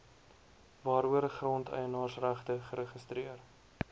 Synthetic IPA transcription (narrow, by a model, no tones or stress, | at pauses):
vɑːɾuəɾəχrɔntʰœ̰jənɑːrsræχtəχəɾəχəstɾiər